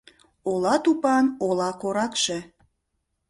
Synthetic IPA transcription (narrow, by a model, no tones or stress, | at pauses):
olɑt̪upɑnolɑkoɾɑkʃe